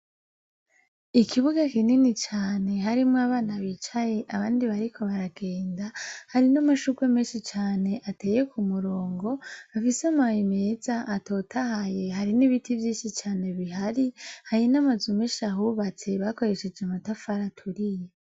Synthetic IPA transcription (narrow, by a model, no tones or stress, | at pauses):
ikʰiβuɡakininit͡ʃaːne̞ɦaɾimŋaβaːnaβiːt͡ʃaje̞ʔaβaːndiβaɾikʰo̞βaɾaɡe̞ːndahaɾinamaʃukwemeːnʃit͡ʃaːne̞ʔateːje̞kʰumuɾo̞ːŋɡo̞afisamajimezaʔːto̞ːtʰahaje̞ɦaɾiniβitivjiːnʃit͡ʃaːne̞βiɦaɾihainamazumeʃaɦuβat͡se̞βako̞ɾe̞ʃed͡ʒamatafaɾatʰuɾije